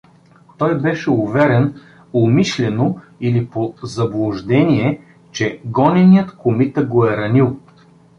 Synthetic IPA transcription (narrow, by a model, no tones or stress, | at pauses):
t̪ɔjbɛʃɛʊvɛɾɛn | omiʃlʲɛno | ilipozɐblˠoʒd̪ɛnʲiɛ | t͡ʃɛɡɔnʲɛnijət̪komit̪əɡoɛɾɐnilˠ